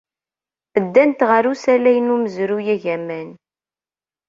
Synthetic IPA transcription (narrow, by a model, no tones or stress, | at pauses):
əd̪ːænt̪ʁəɾusælæjənuməzɾujæʝæmæn